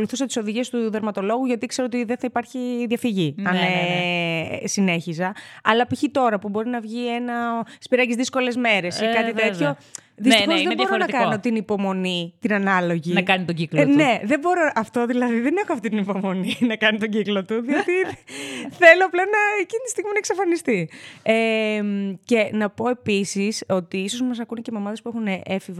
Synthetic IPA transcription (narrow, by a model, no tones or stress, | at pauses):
oluθusɐt̪i̥so̞ðiʝiest̪uðe̞ɾmɐt̪o̞lo̞ɣuʝɐt̪ikse̞ɾoot̪iðeθɐipɐɾçiðʝɐfiʝiɐne | sine̞çizɐɐlɐpiçit̪o̞ɾɐpubo̞ɾinɐvʝie̞nɐspiɾɐcizðisko̞le̞zme̞ɾe̞sikɐt̪iet̪ço̞ | ðisixo̞zðebo̞ɾonɐkɐno̞t̪inipo̞mo̞nit̪inɐnɐlo̞ʝinɐkɐnit̪oɟiklnne̞ðebo̞ɾoʔɐft̪o̞ðilɐðiðe̞ne̞xoɐft̪it̪inipo̞mo̞ninɐkɐnit̪oɟiklo̞t̪uðiot̪i | θe̞loɐplɐnɐecinit̪i̥st̪iɣminɐeksɐfɐnist̪iemce̞nɐpo̞e̞pisiso̞t̪iiso̞zmɐsɐkunicemeomɐðe̞spuexuneʔefiv